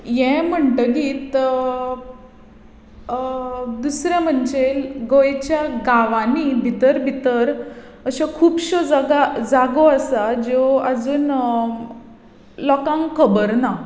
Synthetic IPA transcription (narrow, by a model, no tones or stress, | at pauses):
jɛ̃m̤əɳʈəɡiːt̪ | d̪usɾjãm̤əɳd͡ʑelɡojt͡ɕjaɡaʋanibʱit̪əɾbʱit̪əɾ | əɕəkʰuːbɕod͡zaɡad͡zaɡoəsad͡ʑoad͡zuːn | lɔkãŋkʰəbəɾna